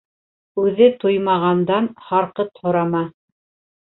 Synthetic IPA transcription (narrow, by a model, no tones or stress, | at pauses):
ʉðɘt̪ojmɑʁɑnd̪ɑnhɑɾqɤt̪hŏɾɑmɑ